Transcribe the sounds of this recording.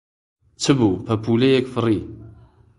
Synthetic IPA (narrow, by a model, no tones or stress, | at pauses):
t͡sːəvupæpulæjækfərːi